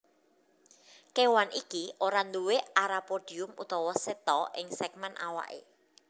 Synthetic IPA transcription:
kewanikiʔoɾand̪uweaɾapod̥i̤ʊmṵt̪ɔwɔset̪ɔʔɪŋsɛk̚mɛnʔa̰wa̰ʔḛ

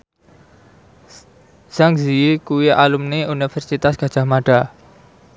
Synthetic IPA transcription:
z̥aŋziikuwiʔalumneunifɛrsit̪asɡ̥ä̤d̥ʒ̥a̤hmaɖ̥a

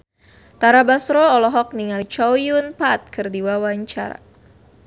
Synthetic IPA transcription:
t̪aɾabasɾɔːlɔɦɔk̚niŋalit͡ʃɔwjunpat̪̚kɨrdiwawaɲt͡ʃa̰ɾa̰

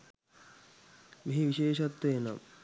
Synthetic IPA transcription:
biiʋiʃeːʃɐt̪ːeːna̰

